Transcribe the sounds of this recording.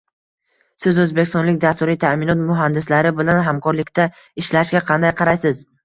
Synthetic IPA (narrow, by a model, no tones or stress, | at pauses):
sɪzɵzbekʲɪst̪ɒnlɪk̚ʲd̪ast̪ʊɾijt̪ʰamɪnɒt̪mʊɦand̪ɪslaɾɪbɪlanɦamkʰɒɾlɪkʲt̪ʰa | ɪʃlaʃɡʲaqʰɑnd̪ajqʰɑɾajsɪz